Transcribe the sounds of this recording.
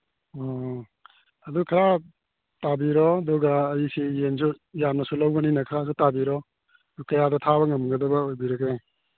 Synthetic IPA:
ɔ | ɐdukʰɐɾa | tabiɾɔɐduɡaːjisijens̬u | jamnɐsulawɡɐninɐkʰɐɾas̬utabiɾɔ | ɐdukɐjadɐtʰabɐŋɐmɡɐdɐbɐojbiɾɐɡe

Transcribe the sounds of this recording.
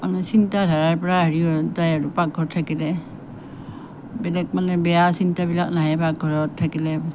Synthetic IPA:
anasintadʱaɹaɹpɔɹaɦaɹijɔtajaɹupaɡʱɔɹtʰakilɛ | bɛlɛk̚manɛbɛjasintabilak̚naɦɛbaɡʱɔɹɔtʰːakilɛ

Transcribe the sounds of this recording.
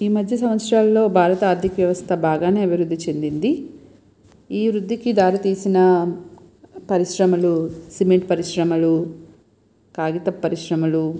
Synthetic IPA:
iːmɐd̪ʱjɐs̬ɐʋɐt̪sɾaːlːo̞ːbʱaːɾɐt̪ɐaːɾd̪ʱikɐʋjɐʋɐst̪ʰɐbaːɡaːne̞ːɐbʱiɾud̪ʱːit͡ʃe̞nd̪ind̪i | iːʋɾud̪ʱːikid̪aːɾit̪iːsinɐ | pɐɾiʃɾɐmɐlusimeɳʈ̚pɐɾiʃɾɐmɐlu | kaːɡit̪ɐpːɐɾiʃɾɐmɐlu

